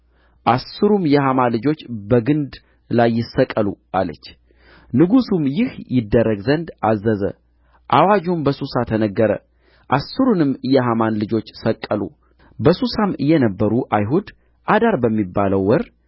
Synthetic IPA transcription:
ʔasɨɾumjɛhamalɨd͡ʒo̞t͡ʃːbəɡɨnd̪ | lajːɪsːəkʼːəlṵʔalə̰t͡ʃː | nɨɡusumjɪhjɪd̪ːərːəɡzənd̪azːəzə̰ | ʔawad͡ʒumbəsusat̪ʰənəɡːəɾə̰ | ʔasːɨɾunɨmːɨjɛɦamanlɨd͡ʒo̞t͡ʃːsəkʼːəlṵ | bəsusamɨjːɛnəbːəɾuʔajɦud̪ | ʔad̪aɾbəmːibːaləwːɔɾ

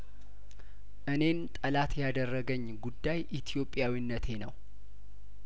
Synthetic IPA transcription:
ʔɨne̞nt̪ʼəlat̪ʰjad̪ərːəɡəɲːɡud̪ːajʔit̪ʰijo̞pʼːjawinːət̪ʰe̞nəw

